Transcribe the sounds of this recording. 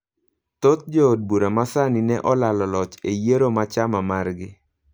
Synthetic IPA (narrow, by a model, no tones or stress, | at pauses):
t̪ot̪̚d͡ʒood̚buɾamasaninɛʔɔlalɔlɔt͡ʃejeɾomat͡ʃamamarɡɪ